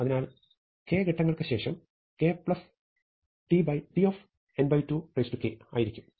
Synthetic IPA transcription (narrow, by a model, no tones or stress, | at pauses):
ɐðinaːl | keːɡeʈːɐŋːɐɭkɨɕe̞ːʂɐm | ke̞ːpɭɐs | ʈibɐjʈioːf | enbɐjtːuːprɐjstukeːa̰ːjiɾikʲːum